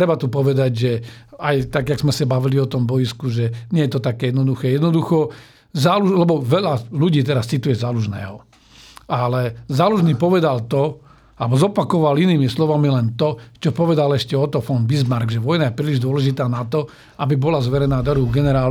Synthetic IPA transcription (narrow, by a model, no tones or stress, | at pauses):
t̪ɾɛbat̪upɔʋɛd̪aɟʒɛajt̪aɡjaɡz̥mɛsabaʋiliɔt̪ɔmbɔjiskuʒɛɲɪɛjɛt̪ɔt̪akɛjɛd̪nɔd̪uxɛːjɛd̪nɔd̪uxɔ | zaːluʒlɛbɔʋɛʎaluɟiːt̪ɛɾast͡sit̪ujɛzaːluʒnɛ̰ːɦɔ | alɛzaːluʒniːpɔʋɛd̪alt̪ɔ | abɔzɔpakɔʋaliniːmislɔʋamilɛnt̪ɔt͡ʃɔpɔʋɛd̪alɛʃcɛɔt̪ɔfɔnbizmaɾɡʒɛʋɔjnajɛpɾiːliʒd̪ʊɔlɛʒit̪aːnat̪ɔ | abibɔlazʋɛɾɛnaːd̪ɔɾuɡɛnɛɾaːl